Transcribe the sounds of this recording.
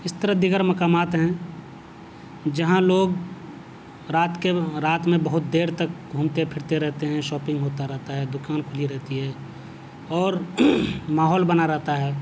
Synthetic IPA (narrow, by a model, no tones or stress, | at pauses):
ɪst̪əɾəd̪ɪɡəɾmɐkaːmaːt̪ɦɛ̃ | d͡ʒəɦãloːɡ | ɾaːt̪keɾaːt̪mẽbəɦʊt̪̚d̪eːɾt̪ək̚ɡʱuːmt̪epʰɪɾt̪eɾɛɦt̪eɦɛ̃ʃɔːpɪ̃ŋɡɦoːt̪aɾɛɦt̪aɦɛːd̪ʊkaːnkʰʊliɾɛɦt̪iɦɛ̃ː | ɔːɾ | maːɦɔːlbənaɾɛɦt̪aɦɛː